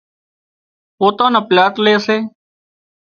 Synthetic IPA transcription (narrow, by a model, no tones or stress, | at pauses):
poːt̪ãːnəplaːt̪leːəseː